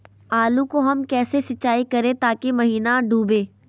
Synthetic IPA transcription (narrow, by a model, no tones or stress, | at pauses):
aːlũkoɦɐmkɛːsesɐt͡ʃːaːikɐɾẽt̪aːkemɐɦiːnaɖuːbẽː